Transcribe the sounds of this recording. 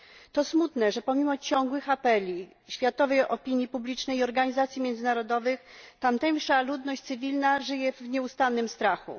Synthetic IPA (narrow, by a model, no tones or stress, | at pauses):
t̪ɔsmut̪nɛʐɛpɔmʲimɔt͡ɕɔŋɡwɘxapɛlʲi | ɕfʲjat̪ɔvɛjɔpʲiɲjipublʲit͡ʂnɛjiɔɾɡaɲizat̪sʲimʲjɛnd̪zɘnaɾɔd̪ɔvɘxt̪amt̪ɛŋʂalud̪nɔɕt͡ɕ̪sɘvʲilnaʐɘjɛvɲɛust̪anːɘmst̪ɾaxṵ